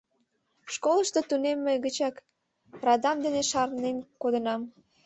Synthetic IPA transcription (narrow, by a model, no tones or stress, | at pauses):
ʃkoləʃt̪ot̪unemːəjɣət͡ɕɑk | rɑd̪ɑmd̪eneʃɑrnemkod̪ənɑm